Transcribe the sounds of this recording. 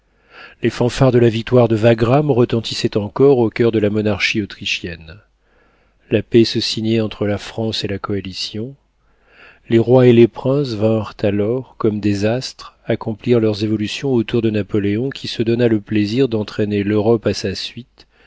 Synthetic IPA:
lefɑ̃faʁd̪əlavik̚t̪waʁd̪əvaɡʁamʁət̪ɑ̃t̪ʰisɛt̪ɑ̃kɔʁokʲœʁd̪əlamɔnaʁʃiot̪χiʃjɛn | lapesəsiɲɛɑ̃t̪χəlafχɑ̃selakɔalisjɔ̃ | leʁwaelepχɛ̃s̬vɛ̃ʁt̪alɔʁkɔmd̪ezast̪χakɔ̃pliʁlœʁzevɔlysjɔ̃ot̪uʁd̪ənapɔleɔ̃kʲisəd̪ɔnaləpleziʁd̪ɑ̃t̪χeneløʁɔpasasɥit̪

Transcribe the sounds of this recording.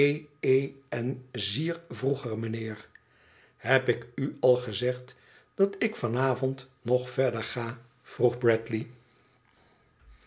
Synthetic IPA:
ejejɛnziːɹvruχərmənɪːɹ | ɦɛpɪkyɑlˠχəzɛχt | d̥ɑtɪkfɑnaːvɔntnɔχfɛɹdəɹχaː | v̥ruχbrɛtli

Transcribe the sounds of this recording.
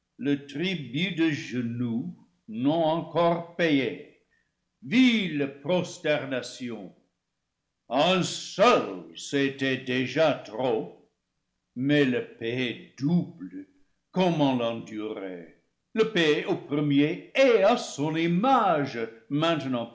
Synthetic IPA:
lətʁibydəʒənu | nɔ̃ɑ̃kɔʁpejɛ | viləprɔstɛʁnasjɔ̃ | ə̃sœlsetɛdeʒatʁo | mɛləpeedublə | kɔmɑ̃lɑ̃dyʁḛ | ləpeopʁəmjeeasɔ̃nimaʒmɛ̃tnɑ̃

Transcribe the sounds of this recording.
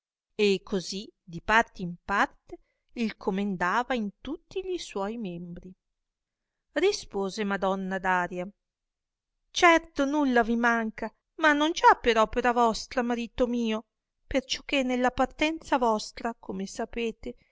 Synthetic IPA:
ekʰːozid̪ipart̪eimpart̪e | ilkʰomend̪aːvaint̪ut̪ːiʎiswɔjmɛmbɾi | rispoːzemad̪ɔnːad̪aːɾja | t͡ʃɛrt̪onulːavimaŋka | manːond͡ʒapeɾɔpeɾavɔst̪ɾamaɾiːt̪omiːo | pert͡ʃɔ̥k̟ːenːelːapart̪ɛnt̪savɔst̪ɾakʰomesapeːt̪e

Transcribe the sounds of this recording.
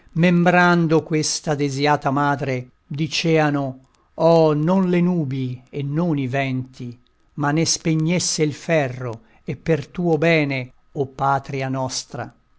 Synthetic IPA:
membɾand̪okwest̪ad̪ezjaːt̪amaːd̪ɾe | d̪it͡ʃɛːano | ɔnonlenuːbienːonivɛnt̪i | manːespeɲːesːeilfɛrːo | epːert̪uːobɛːne | ɔpːaːt̪ɾianɔst̪ɾa̰

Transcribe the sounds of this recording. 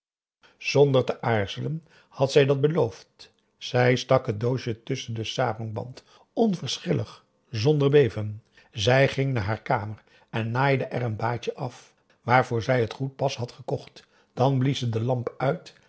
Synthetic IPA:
z̥ɔndəɹtəʔaːɹz̥ələn | hɑtsɛjdɑt̚bəlowft | z̥ɛjstɑkɦət̚dowʃətɵsəndəsaːrɔŋbɑ̰nt | ɔnvəɹsχɪləχ | zɔndəɹbejvən | zɛjχɪŋnaːɹɦaːɹkaːmər | ɛnːaːjdəʔɛrənbaːt͡ʃəʔɑf | ʋaːɹvʊːɹzɛjətχut̚pɑsɦɑtχəkɔχt | d̥ɑnblizədəlɑmpœɥt

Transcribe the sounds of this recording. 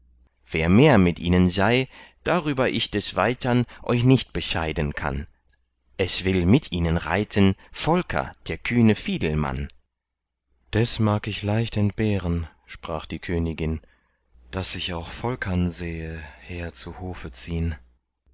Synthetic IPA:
v̥eːɐmeːɐmɪtʔiːnənzaɪd̥aʁyːbɐʔɪçd̥ɛsv̥aɪtʰɐnʔɔ̰ʏçnɪçt̚b̥əʃaɪdənkʰa̰n | ʔɛsv̥ɪlmɪtʰʔiːnənʁa̰ɪtʰənfɔlkʰɐ̰d̥eːɐkʰyːnəfiːdl̩ma̰n | d̥asmaːkɪçlaɪçtɛntb̥eːʁən | ʃpʁ̥aːχd̥iːkʰøːnɪɡɪn | d̥asɪçaʊxfɔlkʰɐnzeːəheːɐt͡suhoːfət͡siːən

